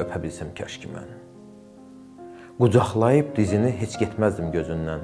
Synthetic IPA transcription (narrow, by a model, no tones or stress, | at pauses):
øpʰæbilsæmcʰæ̰ʃcʰimæ̰n | ɡ̥ud͡ʒɑχlˠɑjɯp̚d̪iziniɦe̞t͡ʃʰɟet̪ʰmæzd̪imɟø̞zynːæn